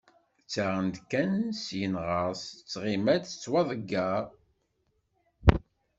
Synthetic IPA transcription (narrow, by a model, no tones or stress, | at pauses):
t͡sːaʁənd̪kːænsjənʁəst͡sːʁimæd̪t͡sːwɑðˤəɡːæ